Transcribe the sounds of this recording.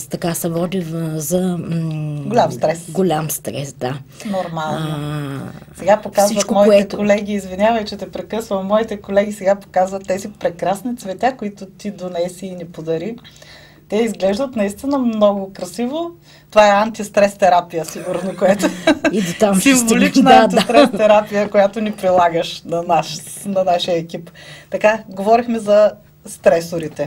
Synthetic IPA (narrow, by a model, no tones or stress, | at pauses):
t̪ɐkasɛvɔd̪ivzɐ | ɡolʲamst̪ɾɛsɡolʲamst̪ɾɛ̰sd̪anoɾmalˠno | sɛɡapokazsivət͡ʃt̪mɔiɛɛtkolɛɡʲiːzvinʲavɐjt͡ʃɛt̪ɛpɾɛkɤsvɐmɔit̪ɛkolɛɡisɛɡapo̥kazvət̪ːɛzipɾɛkɾasnit̪svɛt̪ʲakoit̪ʊt̪id̪onɛsiːnɛpod̪ɐɾi | t̪ɛizɡlɛʒd̪ət̪nɐist̪inəmnɔɡʊkɾɐsivo | t̪ovaɛant̪ist̪ɾɛst̪ɛɾapijəsiɡuɾnokoɛt̪oid̪ot̪amsimvolit͡ʃnand̪it̪ɾɛtt̪ɛɾapijəkojat̪onipɾilˠaɡəʃnɐnaʃnɐnaʃiəɛkʲipt̪ɐkaɡovɔɾixmɛzɐ | st̪ɾɛsʊɾit̪ɛ